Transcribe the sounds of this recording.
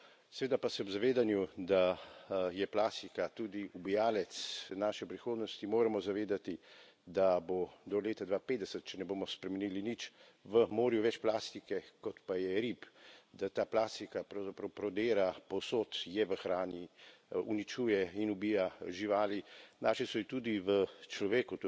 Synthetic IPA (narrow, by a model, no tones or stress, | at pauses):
sɛʋeːd̪apasɛɔzaʋeːd̪anjud̪a | jɛplaːst̪ikat̪uːd̪iubijaːlɛt̪snaːʃɛpɾixoːd̪nɔst̪imoːɾamɔzaʋeːd̪at̪i | d̪abod̪ɔleːt̪ad̪ʋapeːd̪d̪ɛsət̪̚t͡ʃɛnɛboːmɔspɾɛmɛniːlinit͡ʃ | ʋəmoːɾjuʋɛt͡ʃplaːst̪ikɛkɔt̪pajɛɾipd̪at̪aːplaːst̪ikapɾawzapɾɐwpɾɔd̪eːɾapɔsoːt̪jɛʋəxɾaːniṵnit͡ʃuːjɛinubijaʒiʋaːlinaʃɛsɔit̪uːd̪iʋət͡ʃlɔʋeːku